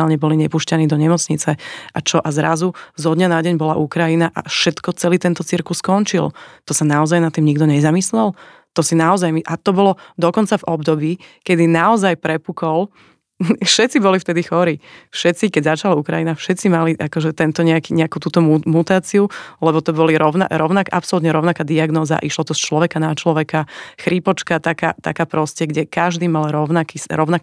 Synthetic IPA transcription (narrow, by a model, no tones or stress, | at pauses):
aːlɲɛbɔliɲɛpuːʃcaniːd̪ɔɲɛmɔt͡sɲit͡sɛʔat͡ʃɔʔazɾazuzɔd̪ɲanaɟɛɲbɔlaʔukɾajinaʔa̰fʃɛt̪kɔt͡sɛliːt̪ɛnt̪ɔt͡siɾkuskɔnt͡ʃilt̪ɔsanaɔzajnat̪ːiːmɲiɡd̪ɔɲɛzamislɛl | t̪ɔsinaɔzajmiʔat̪ɔbɔlɔd̪ɔkɔnt͡savɔbd̪ɔbiːkɛd̪inaɔzajpɾɛpukɔl | fʃɛt̪t͡sibɔlift̪ɛd̪ixɔɾifʃɛtt͡sikɛɟzat͡ʃalaukɾajinafʃɛt̪t͡simaliʔakɔʒɛt̪ɛnt̪ɔɲɛakiɲɛakuːt̪uːt̪ɔmumut̪aːt͡siulɛbɔt̪ɔbɔliɾɔʊna̰ɾɔʊnakʔa̰psɔlut̪ɲɛɾɔʊnakaːd̪iaɡnɔːzaa̰ʔiʃlɔt̪ɔst͡ʃlɔʋɛkanat͡ʃlɔʋɛkaxɾipɔt͡ʃkat̪aka̰ːt̪a̰kaːpɾɔscɛɡɟɛkaʒd̪iːmalɾɔʊnakisɾɔʊnak